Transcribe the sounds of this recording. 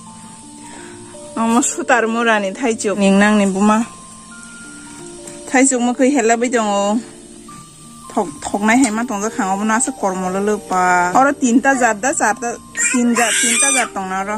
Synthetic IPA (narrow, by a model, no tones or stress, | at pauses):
amɔsutaɾmɯɾanitʰajt͡ʃɔkniŋnaŋnibuma | tʰajt͡ʃɔk̚mɯkʰɯjɦelːabɯjtɔŋɯw | tʰɔtʰɔk̚najɦajmatɔŋzakʰaŋabɔnaasɯkɔɾmɔlɯlɯpaaɾɔtintazaɾdasaɾtatinzatintazaɾtɔŋnaɾɔ